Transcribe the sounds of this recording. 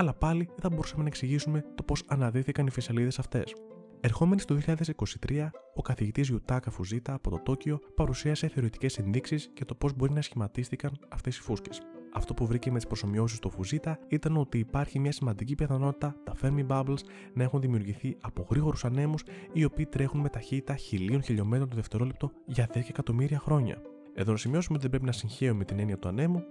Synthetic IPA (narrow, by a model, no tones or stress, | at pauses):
ɐlɐpɐliθɐbo̞ɾusɐmenɐeksiʝisume̞t̪o̞po̞sɐnɐðiθikɐnifisɐliðe̞sɐft̪e̞̰s | e̞ɾxo̞me̞nist̪ðioçiʎaðe̞siko̞si̥t̪ɾʔiɐo̞kɐθiʝit̪izʝut̪ɐkɐfuzit̪ɐːpo̞t̪o̞t̪o̞cio̞pɐɾusiɐse̞θe̞o̞ɾit̪i̥ce̞se̞nðiksisce̞t̪o̞po̞zbo̞ɾinɐsçimɐt̪ist̪ikɐnɐft̪e̞si̥fusce̞sɐft̪o̞puvɾice̞met̪ispɾo̞so̞mio̞sist̪ofuzit̪ɐit̪ɐno̞t̪iːpɐɾçimɲɐsimɐnd̪icipiθɐno̞t̪it̪ɐt̪ɐfe̞ɾmibɐbls | nɐe̞xunðimiuɾʝiθiɐpo̞ɣɾiɣo̞ɾusɐne̞musio̞piːt̪ɾe̞xunme̞t̪ɐçit̪it̪ɐçilionçiʎo̞me̞t̪ɾont̪oðe̞ft̪e̞ɾo̞lep̚t̪o̞ʝɐðeskɐːkɐt̪o̞miɾiɐxɾo̞ɲɐ̰ | e̞ðo̞nɐsimio̞sumeot̪iðebɾe̞pinɐsiɲçe̞ummet̪ine̞niɐt̪uɐne̞mu